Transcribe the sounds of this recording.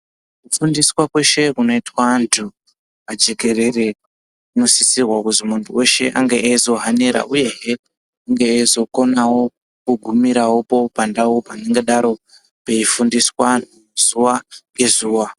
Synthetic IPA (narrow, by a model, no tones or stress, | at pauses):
kufundiswakwe̞ʃe̞kuno̞itwantʰu | ad͡ʒe̞ke̞ɾe̞re̞ | ino̞sisirwakuzimuntʰuwe̞ʃe̞ʔaŋɡeʔaizo̞ɦaneɾa̰ʔuje̞ɦe | aŋɡeːizo̞ko̞nawo̞ | kuɡʱumiɾawo̞po̞pandawopane̞ŋɡeɗaɾo̞ | pe̞ifundiswan | z̥uwaŋɡe̞zuːwa